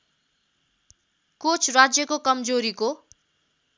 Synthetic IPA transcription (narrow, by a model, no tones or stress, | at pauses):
kot͡sʰrad͡zjʌkokʌmd͡zoɾiko